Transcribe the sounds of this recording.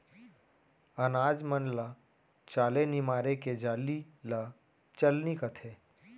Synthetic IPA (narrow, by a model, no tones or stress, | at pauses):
ənaːd͡ʒmənla | t͡ʃaːlenɪmaːɾeked͡ʒaːli | la | t͡ʃəlnikət̪ʰeː